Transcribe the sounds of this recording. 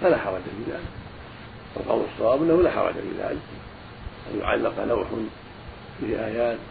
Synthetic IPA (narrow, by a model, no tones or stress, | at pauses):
falaħɑɾˤɑd͡ʒafiːðaːlɪk | ʔa̰lqɑ̰wlɑsˤːɑwɑːbʔɪnːahulaːħɑ̰ɾˤɑ̰d͡ʒafḭða̰ːlɪk | ʔa̰njʊ̰ʕa̰lːɪqlawħʊn | fihʔaːjaːt̪